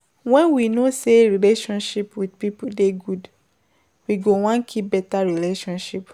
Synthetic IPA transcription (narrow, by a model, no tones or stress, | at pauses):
wɛ̃nwinoseɹileʃɔ̃nʃipwidpipudeɡud | wiɡowɔ̃nkʰip̚bɛtaɹileʃɔ̃nʃip